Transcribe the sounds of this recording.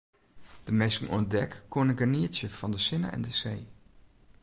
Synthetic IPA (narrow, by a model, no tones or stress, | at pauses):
d̥əmesŋɔ̰ndɛkːonəɡaniətjəfɔndəsɪna̰ʔɛ̰ndəsej